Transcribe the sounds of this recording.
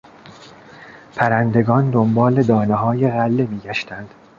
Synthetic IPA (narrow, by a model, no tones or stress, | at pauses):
pʰæɾænd̪e̞ɡɒːnd̪ombɒːle̞d̪ɒːneɦɒːjeɣælːemiːɟæʃt̪ʰænd̪̥